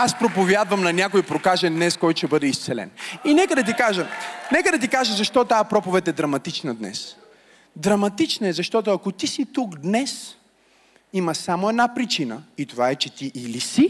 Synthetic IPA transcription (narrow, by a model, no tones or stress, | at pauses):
aspɾopovjad̪vɐmnɐnʲakojpɾokaʒɛnd̪nɛskɔjt̪ʃɛbɤd̪ɛist̪sɛlɛ̰ninɛkəd̪ɐt̪̬ikaʒənɛkəd̪ɐt̪̬ikaʒəzɐʃt̪ɔt̪aɛpɾɔpovɛt̪ɛd̪ɾɐmɐt̪it͡ʃnɐd̪nɛ̰s | d̪ɾɐmɐt̪it͡ʃnɐɛzɐʃt̪ɔt̪ʊɐkot̪isit̪ukd̪nɛs | imɐsamoɛd̪napɾit͡ʃinə̰it̪ovaɛt͡ʃɛt̪iʔilisi